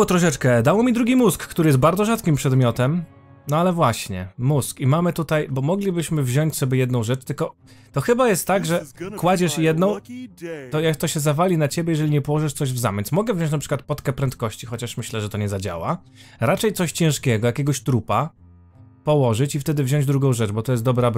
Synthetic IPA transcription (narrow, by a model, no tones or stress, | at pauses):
ɔt̪ɾɔʂ̬ɛt͡ʂkɛd̪awɔmʲid̪ɾuɡʲimuskːt̪uɾɘjɛst̪̚baɾd̪zɔʐat̪kʲimpʂɛd̪mʲɔt̪ɛm | nɔalɛvwaɕɲɛ̰muskimamɘt̪ut̪ajbɔmɔɡlʲibɘɕmɘvʑɔɲt͡ɕʲsɔbʲjɛjɛd̪nɔ̃w̃ʐɛt͡ʂt̪ɘlkɔ | t̪ɔxɘbajɛst̪ːaɡʐɛkwad͡ʑɛʂjɛd̪nɔ̃w̃ | t̪ɔjakt̪ɔɕɛzavalʲinat͡ɕɛbʲjɛjɛʐɛlʲiɲɛpɔwɔʐɘʂt̪sɔʑvza̰mʲjɛnsmɔɡɛvʑɔ̃ɲt͡ɕ̬napʂɘ̥kwat̪̚pɔt̪kɛpɾɛnt̪̚kɔɕt͡ɕixɔt͡ɕaʂmɘɕlɛʐɛt̪ɔɲɛzad͡ʑa̰wa̰ | ɾat͡ʂɛjt̪sɔɕt͡ɕɛ̃ʂkʲɛɡɔjakʲɛɡɔɕt̪ɾupa | pɔwɔʐɘt͡ɕift̪ɛd̪ɘvʑɔ̃ɲd͡ʑd̪ɾuɡɔ̃w̃ʐɛt͡ʂbɔt̪ɔjɛst̪d̪ɔbɾab